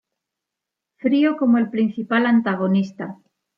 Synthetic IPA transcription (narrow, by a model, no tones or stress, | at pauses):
fɾiokomoelpɾin̟θipalant̪aɣ̞onist̪a